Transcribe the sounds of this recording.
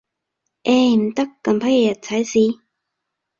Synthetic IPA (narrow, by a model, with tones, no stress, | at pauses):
ʔe˧˩m̩˨˩t̪ɐ˥kːɐ˧mpʰɐ˥jjɐ˨˩t̚t͡sʰɐ˨˧˥jsiː˧